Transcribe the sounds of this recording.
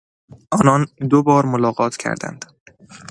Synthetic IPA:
ʔɒːnɒːnd̪obɒːɾmolɒːɣɒːt̪ʰcʰæ̰ɾd̪æ̰nd̪̥

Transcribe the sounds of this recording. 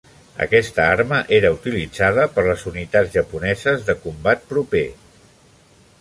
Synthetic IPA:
ə̰kɛst̪əarməʔeɾəut̪ilid͡zaðəpəɾləzunit̪ad͡zʒəpunɛzəzðəkumbat̪̚pɾupe

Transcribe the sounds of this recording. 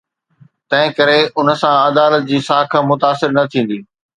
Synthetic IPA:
t̪ɐ̃ɦɪ̃kɐɾeʊnəsãɐd̪aːlət̪̚d͡ʑiːsaːkʰãːmʊt̪aːsɪɾnɐt̪ʰĩːn̆d̪iː

